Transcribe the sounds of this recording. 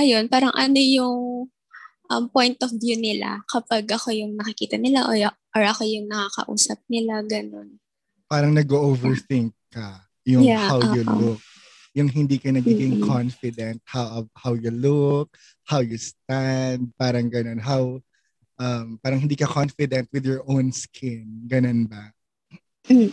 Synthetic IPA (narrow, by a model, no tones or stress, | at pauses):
ʔɐjo̞npaːɾɐŋʔɐno̞jʊŋ | ʔɐmpo̞jnt̪ʔɔfvjunɪla̰kɐpaɡʔɐko̞jʊŋnɐkɪkiːt̪ɐnɪlaʔ | ʔoɹʔɐko̞jʊŋnɐkakɐ̰ʔṵːsɐp̚nɪlaɡɐno̞n | paːɾɐŋnɐɡoʔovɛɹθɪŋk̚ːɐ | jʊjahawjʊlʊk̚ | jʊŋɦɪnd̪iːkɐnɐɡiːɡɪŋkʰɔnfɪd̪ɛnt̪̚hawʔɐhawjʊlʊk̚ | hawjʊst̪̚and̪̚paːɾɐŋɡɐno̞nɦaw | ʔɐmpaːɾɐŋhɪnd̪iːkɐkonfɪd̪ɛnt̪̚wɪðjɔɹʔownskʰɪnɡɐnonbɐ